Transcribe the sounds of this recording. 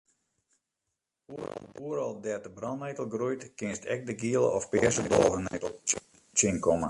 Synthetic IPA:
uəɾɔlˠdɛtəbrɔnnejtəl̩ˠɡrujtkɪnstʰɛk̚dəɡiəlˠə̰ɔfpɪəsəbo̰lˠvənetəl̩ˠ | t͡ʃɪnkɔmə̰

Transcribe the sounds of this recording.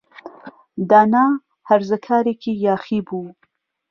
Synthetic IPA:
d̪aːnaː | hɐɾzəkʰaːɾeːkʰiːjaːχiːbuː

